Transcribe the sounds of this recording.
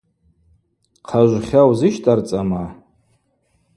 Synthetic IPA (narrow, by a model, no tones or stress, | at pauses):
qʰaʒʷχʲawzɨʃtʼart͡sʼama